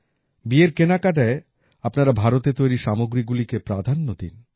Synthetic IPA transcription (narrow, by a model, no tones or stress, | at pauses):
bieɾkenakaʈae | apnaɾabʱaɾot̪et̪ojɾiʃamoɡɾiɡulikepɾad̪ʱanːod̪ḭn